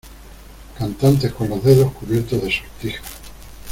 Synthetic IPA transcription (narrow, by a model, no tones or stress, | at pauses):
kant̪ant̪̬e̞hko̞nlo̞zðe̞ðo̞hkuβje̞ɾt̪ozðesoɾt̪ixḁ